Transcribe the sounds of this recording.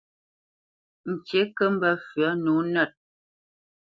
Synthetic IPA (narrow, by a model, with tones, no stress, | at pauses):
n̩˨t͡ʃe˨˦kə˦m̩˦bə˦˨fɥə˨˦nu˨˦nɛ˦˨t̚